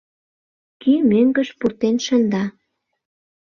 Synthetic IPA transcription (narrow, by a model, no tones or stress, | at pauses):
kymøŋɡə̆ʃpurt̪enʃənd̪ɑ